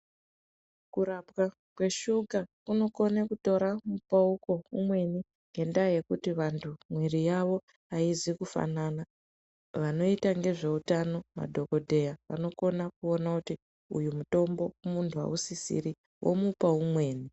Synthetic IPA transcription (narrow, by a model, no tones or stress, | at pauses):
kuɾapwa | kwe̞ʃukakuno̞ko̞nekuto̞ɾamupauko̞umwe̞ni | ŋɡe̞ndaje̞kutiʋantʰumwirijaʋo̞ | aizikufa̰nana | ʋano̞itaŋɡe̞ʐe̞utano̞ma̰dʱo̞ko̞dʱe̞jaʋa̰no̞ko̞nakuo̞nakuti | ṵjumuto̞mbo̞umuntʰua̰usisḭɾi | wʔo̰mupaumwe̞ːni